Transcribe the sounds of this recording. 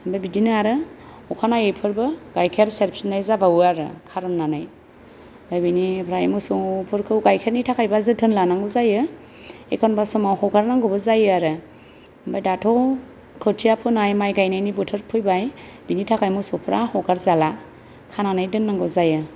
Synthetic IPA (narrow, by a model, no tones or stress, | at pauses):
mbajbidinɯaɾɯ | ɔkʰanajejpʰɯɾbɯɡajkʰeɾseɾpʰsnajzabawɯaɾɯ̰kʰaɾɔnnːanaj | bajbinipʰɾajmɯsopʰɯɾkʰɯwɡajkʰeɾnitʰakʰajbazɯtʰɯnlanaŋɡɯzajɯ | ekʰɔnbasɔmawhɔɡaɾnaŋɡɯbɯzajɯaɾɯ | mbajdatʰɔ | kʰɯtʰijapʰɯnajmajɡajnajnibɯtʰɯɾpʰɯjbaj | binitʰakʰajmɯsɔwpʰɯɾahɔɡaɾzala | kʰananajdɯnːaŋɡɯzajɯ